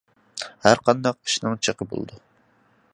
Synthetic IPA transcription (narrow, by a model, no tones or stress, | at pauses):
hæɾqʰɑnd̪ɑqi̥ʃnɪŋt͡ʃʰəqʰəbo̰l̰ˠd̪u